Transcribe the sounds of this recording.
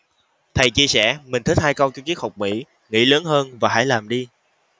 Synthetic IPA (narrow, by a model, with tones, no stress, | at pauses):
t̪ʰə˨˩jt͡ɕi˧əsɛ̰˧˩mï˨˩ŋ̟t̪ʰi˦˥haː˧jkə˧wt͡ɕɔ˧ki˦˥ək̚ha˨˩wk͡p̚mḭ˧˥ | ŋḭ˧˥ləː˨˦nhəː˧nvaː˨˩ɦa̰ː˧˥˦jlaː˨˩mɗi˧